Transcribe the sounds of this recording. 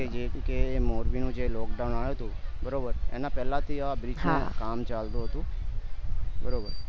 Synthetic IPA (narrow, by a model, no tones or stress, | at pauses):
ed͡ʒekemoːɾʋiːnũd͡ʒeːlɔːkɖaʊnaːjoɦət̪obəɾoːbəɾɛ̰ːnapɛːlãt̪ʰiabɾɪd͡ʒnẽkaːmt͡ʃaːld̪oɦət̪ũ | bəɾoːbəɾ